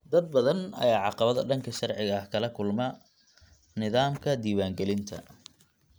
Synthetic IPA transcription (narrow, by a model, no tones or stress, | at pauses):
d̪ɐd̪̚bɐðɐnɐ̰jaːʕɑqɑβɐðɐɖɐŋkʰɐʃɐrʕɪɣɐɐhkʰɐlɐkʰʊlmɐ | nɪðaːmkʰɐd̪iːwaːŋɡɛlɪnt̪ʰɐ̰